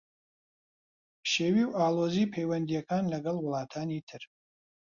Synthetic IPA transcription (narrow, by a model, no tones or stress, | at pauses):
pʰʃeːwiːwaːloːziːpʰejwɐnd̪ijɐkʰaːnlɐɡɐlwʊlˠɑːtʰaːnitʰɨr